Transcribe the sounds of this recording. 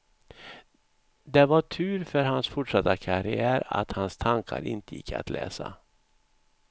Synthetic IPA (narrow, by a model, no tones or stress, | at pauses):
d̪ɛvaʈʰʉ̟ːɾfœɾɦansfʊʈʂat̪ːakʰaɾɪæːɾa̰t̪hanst̪ʰaŋkʰaɾʔɪnt̪əjɪkʰːa̰t̪lʔɛ̰ːsa